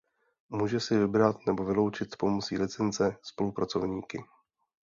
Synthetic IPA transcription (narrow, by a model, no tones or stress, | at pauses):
muːʒɛsɪvɪbɾat̪nɛbo̞vɪlo̞wt͡ʃɪt̪po̞mot͡siːlɪt͡sɛnt͡sɛspo̞lupɾat͡so̞vɲiːkɪ